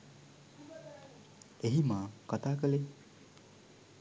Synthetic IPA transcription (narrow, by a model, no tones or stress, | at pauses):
eɦimakʌt̪akʌle